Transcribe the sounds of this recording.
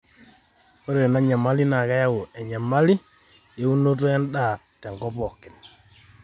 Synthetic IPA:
o˦ɾe˨na˦ɲa˨ma˦li˦na˨ka˦ja˦wo˨ɛ˨ɲa˨ma˦li˦ | je˦u˦no˦t̬o˦ɛ˦nɗa˦˨ | tɛ˨ŋkɔ˦pɔ˨kːɪ˨n

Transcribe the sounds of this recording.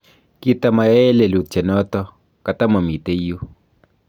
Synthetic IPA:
ki˦ta˨ma˨ja˦e˦le˨lu˨t̚t͡ʃɛ˨nɔ˦tɔ˦ | ka˨ta˦mɔ˨mi˨te˦ju˦

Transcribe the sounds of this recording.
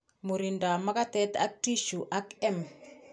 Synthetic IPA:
mu˨ɾi˨nda˨ma˦ka˦t̪ɛ˦t̪a̰˦k̚ti˦ʃu˨ʔa˦kɛ˦m

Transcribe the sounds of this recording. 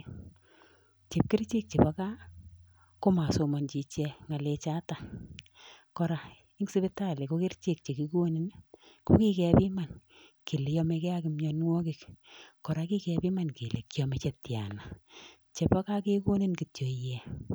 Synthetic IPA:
t͡ʃe˨p̚ki˦rt͡ʃi˦k̚t͡ʃe˨pa˨ka˦ | ko˦ma˨so˨mɔ˨nt͡ʃi˨t͡ʃɛ˧ŋa˨le˨t͡ʃa˦ta˨ | kɔ˨ɾa˨ | i˦ŋsi˦be˦ta˦˨le˨ko˦ki˦rt͡ʃi˦k̚t͡ʃe˨ki˨ko˦ni˦n | ko˦ki˦kɛ˨pi˦ma˨n | ki˨le˨jɔ˦me˨kɛ˦a˦ki˨mɲɔ˨nŋwɔ˦ki˨kkːɔ˨ɾa˨˧ki˦kɛ˨pi˦ma˨nki˨le˨kjɔ˨me˨˦t͡ʃe˨tja̰˨na˨ | t͡ʃe˨pa˦ka˦ke˦ko˦ni˦nki˨tjo˨jɛ˨

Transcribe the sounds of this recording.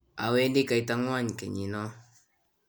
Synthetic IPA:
a˨we˦ndi˦ka˨i˨˦ta˦ŋwa˦ɲkɛ̰˨ɲi˨nɔ˦

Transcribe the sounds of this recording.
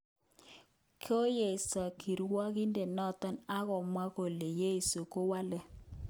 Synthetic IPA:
kʰo˦je˨ɪ˨sɔ˨kʰi˨ɾwɔ˦ki˦nde˨nɔ˦tɔ˦na˦ɣɔ˨mwa˦ko˨le˨je˦i˨so˨ko˦wa˦lɛ˨

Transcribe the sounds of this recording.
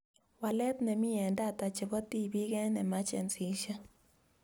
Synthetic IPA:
wa˨lɛ˦t̪nɛ˨mɪ˦ɛ˨nda˦˨t̪a˨t͡ʃe˨bɔ˦t̪i˦˨bi˦ɡɛ˦nɛ˨ma˦t͡ʃɛ̰˨nsi˨ʃa˦

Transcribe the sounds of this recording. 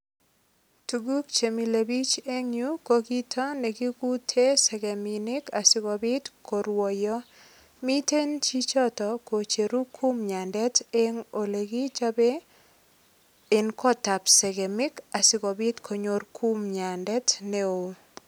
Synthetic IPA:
tu˨ɡu˦k̚t͡ʃe˨mi˨le˨bi˦t͡ʃe˦ŋju˦ko˦ɡi˦tʰɔ˦ne˨ɡi˦ku˦tʰe˦sɛ˨ɡɛ˨mɪ˨nɪ˦ka˨sɪ˨kɔ˨bɪ˦tkʰo˨ɾwɔ˨jɔ˦ | mi˦te˦nt͡ʃi˦t͡ʃɔ˦tɔ˨ko˨t͡ʃe˨ɾu˦kʰu˦mɲa˨ndɛ˦te˦ŋo˨le˨ɡi˦t͡ʃa˦be˦ | ɪ˨nkɔ˦ta˨pse˨ɡe˨mɪ˦ka˨sɪ˨ɡɔ˨bɪ˦tkʰo˨ɲo˨˦rkʰu˦mɲa˨ndɛ˦tne˦o˨

